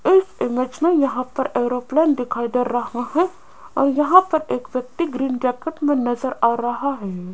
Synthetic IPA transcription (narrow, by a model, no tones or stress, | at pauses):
ɪsɪmeːd͡ʒmẽjɐɦãpɐɾeːɾoːplɛːnd̪ɪkʰaːid̪eɾːɐɦaɦɛ | ɔ̰ːɾjɐɦãpɐɾeːkʋjɐk̚t̪iɡɾiːnʈɛːkəʈmẽnɐzəɾaːɾɐɦaɦɛː